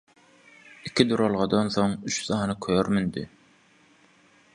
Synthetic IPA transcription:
ikʲʰid̪uɾolˠʁɑd̪onθoŋyt͡ʃsɑːnɯkʰøjøɾmynd̪ḭ

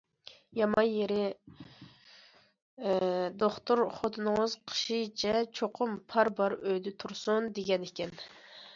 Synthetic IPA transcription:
jɑmɑnjeɾɪ | d̪oχt̪ʰuɾχot̪ʰɨnɨŋəzqʰə̥ʃit͡ʃʰɛt͡ʃʰoqʰʊmpʰɑɾbɑɾøjd̪ɪt̪ʰuɾsund̪eɡʲɛnɪkʲɛn

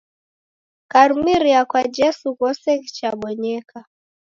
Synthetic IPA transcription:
kaɾumiɾiakwad͡ʒɛsukɔsɛki̥t͡ʃaɓɔɲɛka

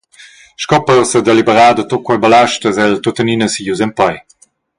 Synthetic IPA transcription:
ʃkɔpɔʁsəd̪elibəʁaːd̪ət̪okwɔbəlaʃtəzɛlt̪ot̪əninəsijuzɛmpaj

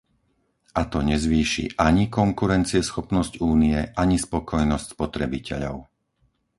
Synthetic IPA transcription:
at̪ɔɲɛzʋiːʃḭʔaɲikɔŋkuɾɛnt͡siɛsxɔpnɔscuːniɛʔaɲispɔkʰɔjnɔscspɔt̪ɾɛbicʰɛ̰ʎɔ̰ʊ

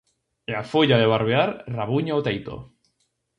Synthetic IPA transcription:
eafoʎaðeβaɾβeaɾraβuɲaot̪ejt̪o̰

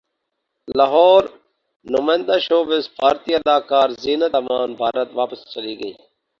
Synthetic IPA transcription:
laːɦɔːɾ | nʊmaːjə̃nd̪aːʃoːʋɪsbʱaːɾt̪iːəd̪aːkaːɾziːnət̪amaːnbʱaːɾət̪ʋaːpəst͡ʃəliːɡəḭː

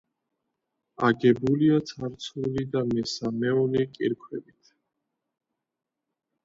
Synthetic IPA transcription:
aɡɛbuliat̪sʰaɾt̪sʰulid̪amɛsamɛɔlikʼiɾkʰwɛbit̪ʰ

